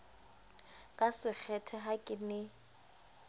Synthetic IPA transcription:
kʼasɪk͡xʰɛtʰɛɦakʼɪnɪ

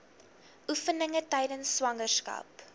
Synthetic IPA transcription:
ʔufənəŋətɛjdənsːwɐŋərskɐ̰p

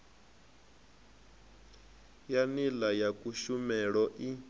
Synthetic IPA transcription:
janilajakʼuʃumɛɺɔʔi

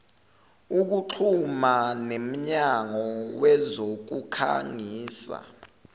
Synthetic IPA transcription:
uk̬uǁʰumanem̩ɲaŋɔwɛzok̬ukʰa̰ŋiːsa̰

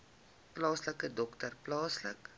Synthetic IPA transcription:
plɑːsləkədɔktərplɑːslə̰k

